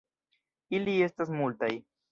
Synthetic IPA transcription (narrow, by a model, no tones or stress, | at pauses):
ilie̞st̪asmult̪aj